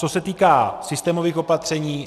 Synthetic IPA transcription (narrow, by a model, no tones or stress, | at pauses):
t͡so̞sɛt̪iːkaːsɪst̪ɛːmo̞viːxo̞pat̪r̝̥ɛɲiː